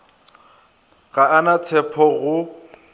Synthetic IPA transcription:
ɣaanat͡sʰɛpʰɔɣʊ

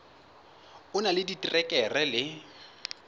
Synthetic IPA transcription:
ʊnalɪditʼirɛkʼɛrɛlɪ

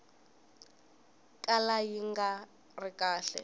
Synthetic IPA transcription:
kʼalajiŋɡa | rikʼaːɬɛ̰

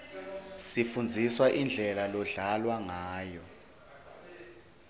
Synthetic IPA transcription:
sifund͡zʱiswaʔind͡ɮʱɛlalɔɮalwaŋaːjɔ

